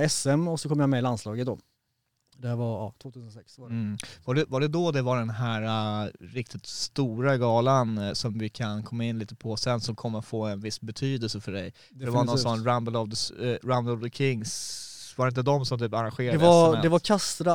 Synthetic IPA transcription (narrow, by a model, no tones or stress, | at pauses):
ɛsɛmɔsɔkʰɔmːjamɛlanslɑːɡət̪̚d̪ɔ | d̪ɛhæːɾvaɾɑːt̪ʰvoːt̪ʰʉːsənsɛksvaɖɛvaɖɛd̪ɔd̪ɛvaɖɛnɦæːɾaɾɪk̚t̪ɪt̪st̪uːɾaɡɑːlansɔmvɪkʰankʰɔmːaɪnːliːt̪əpʰɔsɛnsɔmkʰɔmːəɾt̪foːɛnvɪsbɛt̪ʰyːd̪əlsəfœɖɛj | dɛvanɔnsɔnɾambəlɑvd̪əɾambəlvd̪əkʰɪŋːsvaɾɪnt̪əd̪ɔmsɔmt̪ʰyːpaɾanɧeːɾaɛdad̪ɛvakʰast̪ɾa